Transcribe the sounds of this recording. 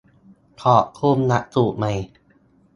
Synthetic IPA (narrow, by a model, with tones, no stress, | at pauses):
t̪ʰɔː˨˩kʰuː˧˩mna˦˥ʔ̚suː˨˩ʔ̚ma˧j